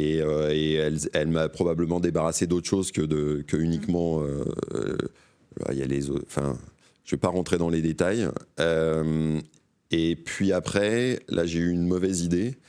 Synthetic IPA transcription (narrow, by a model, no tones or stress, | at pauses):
eøeɛlɛlmapχɔbabləmɑ̃d̪ebaʁased̪ot̪χəʃozkʲəd̪əkʲəynikmɑ̃ø̰ | la̰ja̰lezo̰ɑ̃fɛ̰̃ | ʒ̥əvɛpaʁɑ̃t̪χed̪ɑ̃led̪et̪ajøm | epɥiapχɛlʔa̰ʒeyynmɔvɛzid̪e